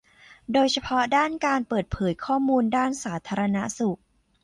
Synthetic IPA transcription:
doː˧jt͡ɕʰa˧pʰɔ˦˥daː˥˩nkaː˧npɤː˨˩t̪̚pʰɤː˩˦jkʰɔː˥˩muː˧ndaː˥˩nsaː˩˦t̪ʰaː˧ɾa˧na˦˥su˨˩k̚

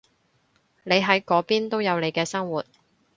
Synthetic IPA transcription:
ne˨˧jɦɐ˨˥jkɔː˨˥piː˥nt̪o˥wjɐ˨˧wnle˨˧jkɛː˧sɐ˥ŋwuː˨˩t̚

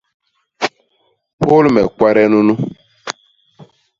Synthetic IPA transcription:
po˦lmɛ̰˨kʷwa˦ɾɛ˦nũ˦nu˦

